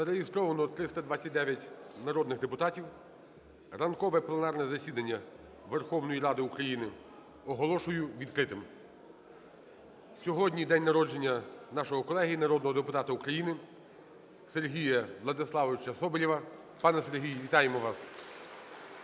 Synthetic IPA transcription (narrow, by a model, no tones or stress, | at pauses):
zɐɾeɦist̪ɾɔʋɐnɔt̪ɾɪst̪ɐd̪ʋat͡sʲːɐt̚ʲd̪ɛʋʲjɐtʲnɐɾɔd̪nɪɣd̪epʊt̪ɑtʲiw | rɐnkɔʋɛplˠenɑrnɛzɐsʲid̪ɐnʲːɐ | ʋerxɔwnɔjiɾɑd̪ɪukɾɐjinɪ | ɔɦɔlˠɔʃʊjʊʋʲid̪kɾɪt̪ɪm | sʲɔɦɔdʲnʲid̪ɛnʲnɐɾɔd͡ʒe̞nʲːɐnɑʃɔɦɔkɔlˠɛɦɪjinɐɾɔd̪nɔɦɔd̪epʊt̪ɑt̪ɐukɾɐjinɪ | se̞rɦʲijɐʋlˠɐd̪ɪslˠɑʋɔʋɪt͡ʃɐsɔbɔlʲiʋɐ | pɑnɛse̞rɦʲijʋʲit̪ɑjemɔʋɑs